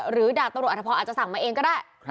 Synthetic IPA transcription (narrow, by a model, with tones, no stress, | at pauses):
ɾɯː˩˦daː˧˩t̪ːɾ̚ʰpʰɔ˧aː˨˩t̚t͡ɕa˨sa˨˩˦ŋmaː˧ʔeː˧ŋkɔː˥˩daː˥˩j